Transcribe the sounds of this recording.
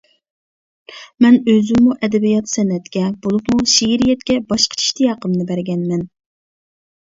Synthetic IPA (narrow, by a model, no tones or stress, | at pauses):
mɛnøzɪmːuʔɛd̪ɛbijɑt̪sɛnːɛt̪kʲɛbolˠupmuʃiɦiɾijɛt̪̚kʲɛbɑʃqʰə̥t͡ʃʰi̥ʃt̪ijɑqəmnɨbæɾɡʲɛnmɛn